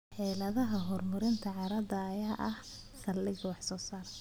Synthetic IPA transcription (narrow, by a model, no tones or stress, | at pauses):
ħɛjlɐðɐɦɐɦɔrmʊɾɪnt̪ʰɐʕɑɾɐd̪ɐːjaːʔɐh | sɐlːɪɡwɑħsɔːsaːɾɐ